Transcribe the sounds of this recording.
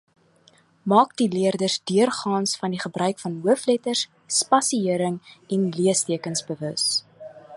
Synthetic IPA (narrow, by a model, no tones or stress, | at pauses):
mɑːkdiliərdərsdyərχɑːnsfɐndiχəbrœɥkfɐnɦuəflɛtərs | spɐsiiəɾəŋɛnliəstiəkənsbəvəs